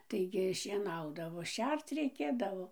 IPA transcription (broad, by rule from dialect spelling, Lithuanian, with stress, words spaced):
ˈtɐɪɡʲɪ ʃʲiɛˈnɐʊdɐʋoː ˈʃʲɛrt͡s rʲɛɪˈkʲeːdɐʋoː